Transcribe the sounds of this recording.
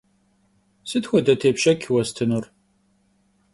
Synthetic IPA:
sɨtxʷɔdɐtʰeːpʃɐkʲʰwɐstʰɨnur

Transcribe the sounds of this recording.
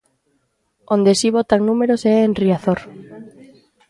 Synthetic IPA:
ond̪esiβot̪aŋnumeɾosɛenriaθoɾ

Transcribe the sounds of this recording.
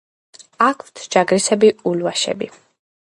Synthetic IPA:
akʰt̪ʰd͡ʒaɡɾisɛbiulvaʃɛ̰bi

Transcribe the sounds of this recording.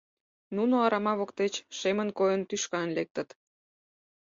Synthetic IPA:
nunoɑɾɑmɑβokt̪et͡ɕʃemənkojənt̪yʃkɑnlek̚t̪ə̆t̪

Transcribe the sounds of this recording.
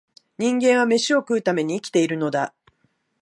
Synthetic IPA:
ɲ̟ĩŋɡẽ̞ɰ̃βame̞ɕio̞kɯ̟ɯt̪ame̞ɲ̟iːkʲi̥t̪e̞iɾɯ̟no̞d̪a

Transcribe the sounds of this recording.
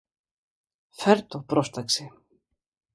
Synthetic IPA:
fɛɾt̪ɔpɾɔst̪aksɪ

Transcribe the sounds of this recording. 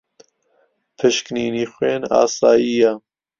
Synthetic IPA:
pʰɨʃkniːniːxweːnɑ̰ːsaːjiːja

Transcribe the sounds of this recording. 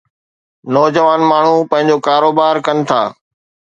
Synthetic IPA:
nɔːd͡ʑəʋaːnmaːɳ̤upɐ̃ɦɪ̃ɲd͡ʑoːkaːɾoːbaːɾkənɪ̆t̪ʰa̰ː

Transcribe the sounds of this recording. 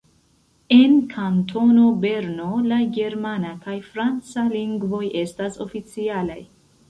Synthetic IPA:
e̞nkʰantʰo̞no̞be̞ɾno̞laɡe̞ɾmanakajfɾant͡saliŋɡvo̞je̞staso̞̰fit͡siala̰j

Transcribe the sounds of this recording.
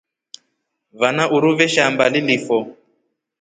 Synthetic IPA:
vanaʔuɾuvɛʃambalilifɔ

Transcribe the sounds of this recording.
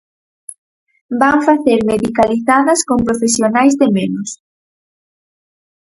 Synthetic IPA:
baɱfaθeɾmeðikaliθaðɐskompɾofesjonajzðemenʊs

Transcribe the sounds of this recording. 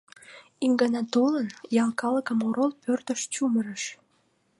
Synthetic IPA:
iŋɡɑnɑt̪olənjɑlkɑləkəmoɾolpørt̪əʃt͡ɕuməɾəʃ

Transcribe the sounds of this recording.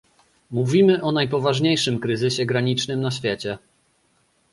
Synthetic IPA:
muvʲimɘʔɔnajpɔvaʐɲejʂɘmkɾɘzɘɕɛɡɾaɲit͡ʂnɘmnaɕfʲjɛt͡ɕɛ

